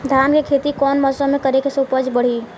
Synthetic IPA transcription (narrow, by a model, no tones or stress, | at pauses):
d̪ʱankekʰet̪ikɔːnməsɔmẽkəɾekesopəd͡ʒbəɽ̤i